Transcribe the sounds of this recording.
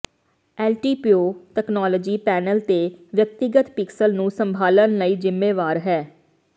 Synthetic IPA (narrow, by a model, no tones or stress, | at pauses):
ɛːlʈiːpioːʈɛknɔːləːd͡ʒiːpɛːnəlt̪eːʋjək̚t̪ɪɡət̪pɪksəlnũːsəmbʱaːlənləiːd͡ʒɪmːeːʋaːɾɦɛː